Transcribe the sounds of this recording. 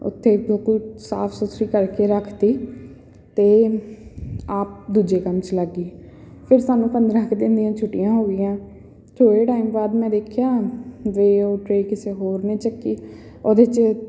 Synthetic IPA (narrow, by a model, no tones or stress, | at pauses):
ʊ̰t̪ʰːeːbəkusa̰ːpʰsʊsɾiːkəɾkeːɾəkʰd̪iː | t̪eː | aːp̚d̪uːd͡ʒeːkəmt͡ʃləɡiː | pʰɪɾsaːnũːpənd̪ɾãːkʰd̪ɪnd̪ijãːt͡ʃʰʊʈːɪjãːɦoːɡɪjãː | t̪ʰoːɽeːʈaːimbaːd̪mɛ̃ːd̪eːkʰjaːʋeːoːʈɾeːkɪseːɦoːɾneːt͡ʃəkːiː | oːd̪eːt͡ʃ